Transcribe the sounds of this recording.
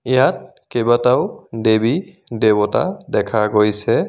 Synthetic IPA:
ijat̚ | kebataʊdebi | debɔta̰dɛkʰaɡojsɛ

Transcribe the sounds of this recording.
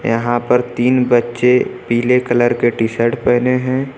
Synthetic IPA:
jɐ̰ɦãpəɾt̪iːnbətːʃepiːlekɐləɾkeʈisəɾʈpɛːneɦɛ̃ː

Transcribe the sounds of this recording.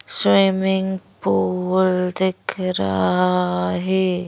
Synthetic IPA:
swiːmɪŋɡpuld̪ɪkʰɾa̰ɦaɦɛː

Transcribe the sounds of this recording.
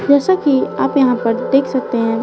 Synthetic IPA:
d͡ʒɛːsakia̰ːpjɐɦãpɐɾd̪eːkʰsɐk̚t̪eɦɛ̃ː

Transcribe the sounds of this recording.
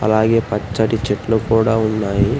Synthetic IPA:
ɐ̰laːɡe̞ːpɐt͡ʃːɐʈit͡ʃeʈlukuːɽaːunːaːji

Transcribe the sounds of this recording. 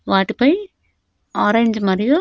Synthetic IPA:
ʋaːʈːipɐj | aːɾeɲd͡ʒmɐɾiju

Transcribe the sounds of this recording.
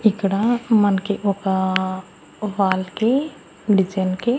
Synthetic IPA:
ɪkɽamɐnkeʔoka | ʋaːlke | ɖɪd͡ʒenke

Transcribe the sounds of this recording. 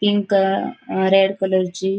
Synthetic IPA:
piŋk | ɾeɽkələɾt͡ɕiː

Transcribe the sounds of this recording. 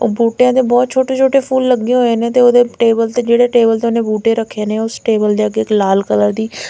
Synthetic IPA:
buːʈeãːd̪eːbɔːt̪̚t͡ʃʰoːʈeːt͡ʃʰoːʈeːpʰuːlːəɡːẽɦoːeːnẽːt̪eːoːd̪eːʈeːbəlt̪eːd͡ʒeːɽeːʈeːbəlt̪eːʊnẽːbuːʈeːɾəkʰːeːnẽːʊsʈeːbəld̪eːəɡeɪklaːlkələɾd̪iː

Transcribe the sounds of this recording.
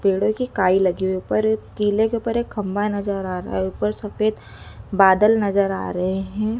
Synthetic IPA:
peːɽõkikaːilɐɡiweuːpəɾkiːlekeuːpəɾeːkʰːɐ̃mbanɐzəɾaːɾ̰ɦeuːpəɾsɐfeːd̪ | baːd̪əlnɐzəɾa̰ːɾɐɦeɦɛ̃ː

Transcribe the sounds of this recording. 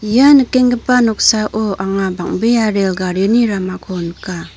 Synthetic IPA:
janəkeŋɡəpanɔk̚saʔɔʔaŋabaŋbejaɾelɡaɾɯniɾamakʰonka

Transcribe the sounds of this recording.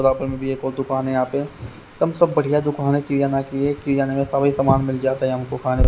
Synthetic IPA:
d̪aːpəɾmẽbʱieːkoːɾd̪ʊkaːneãːpẽ | t̪ɐmsɐbːɐɽ̤ijad̪ʊkaːnekijanakiekijaːnemẽsɐbisəmaːnmɪld͡ʒaːt̪aɦɛɦɐmkokʰaːne

